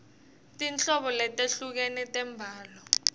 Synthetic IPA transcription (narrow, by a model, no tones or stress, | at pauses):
tʼint͡ɬɔɓɔlɛtʼeɬuk̬ɛnɛtʼɛmbʱaːlɔ